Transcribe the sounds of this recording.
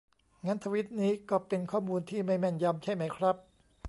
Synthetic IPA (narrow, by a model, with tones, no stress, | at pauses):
ŋaː˦˥nt̪ʰa˧wi˦˥t̪̚niː˦˥kɔː˥˩pe˧nkʰɔː˥˩muː˧nt̪ʰiː˥˩ma˥˩jmɛ˥˩nja˧mt͡ɕʰa˥˩jma˦˥jkʰɾa˦˥p̚